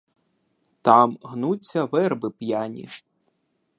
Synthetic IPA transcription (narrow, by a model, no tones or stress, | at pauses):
t̪ɑmɦnut͡sʲːɐʋɛrbɪpjanʲḭʃ